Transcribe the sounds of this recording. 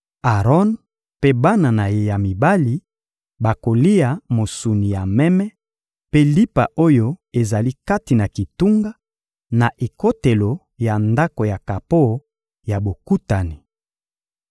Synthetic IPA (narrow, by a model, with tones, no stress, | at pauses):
a˨ʁɔ˦n | pe˦ba˦na˨na˨je˨ja˨mi˨ba˦li˨ | ba˨ko˨li˦a˨mo˨su˨ni˨ja˨mɛ˦mɛ˦ | pe˦li˦pa̰˨ʔo˦jo˦e˨za˨li˦ka˦ti˨na˨ki˨tu˦ŋɡa˦ | na˨ʔe˨ko˦te˨lo˨ | ja˨nda˦ko˨ja˨ka˨po˦˨˦ | ja˨bo˨ku˦ta˨ni˨